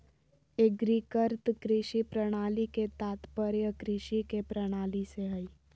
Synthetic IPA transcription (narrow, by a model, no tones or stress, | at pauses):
eɡɾikəɾt̪kɾɪʃipɾəɽ̃aːliket̪aːt̪pəɾjəkɾɪʃikepɾəɽ̃aːliseɦɐi